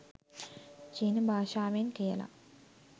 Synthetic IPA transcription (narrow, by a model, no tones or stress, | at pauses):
t͡ʃiːnəbʱaːʃaːʋenkijə̰la̰